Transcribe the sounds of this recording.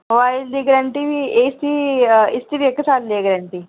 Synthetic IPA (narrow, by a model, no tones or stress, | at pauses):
ʋaːjld̪iɡɐɾɐɳʈiʋiest̪iist̪iʋɛkːɐsaːlleːɡɐɾɐɳʈi